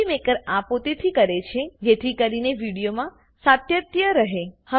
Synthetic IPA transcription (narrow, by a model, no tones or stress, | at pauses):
imekəɾapot̪et̪ʰikəɾet͡ʃʰed͡ʒet̪ʰikəɾineʋiɽijomã | sat̪jət̪jəɾəɦehə